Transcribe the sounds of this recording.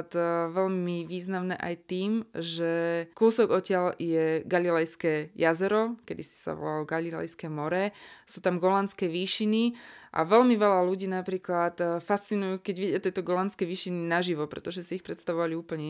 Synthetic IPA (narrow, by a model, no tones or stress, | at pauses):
t̪ʋɛʎmiʋiːznamnɛ̰ːʔa̰jt̪iːmʒɛkuːsɔɡɔcɪaljɛɡalilɛjskɛjazɛɾɔkɛd̪isi̥sa̰ʋɔ̰lalɔɡalilɛ̰jskɛːmɔɾɛsuːt̪amɡɔlant͡skɛʋiːʃiniʔa̰ʋɛʎmiʋɛlaluɟiːnapɾiːklat̪fast͡sinujuːkɛɟʋiɟɪat̪ɛt̪ɔɡɔlant͡skɛʋiːʃininaʒiʋɔpɾɛ̰t̪ɔʒɛsiːxpɾɛt̪st̪aʋɔʋaliuːpl̩ɲɛ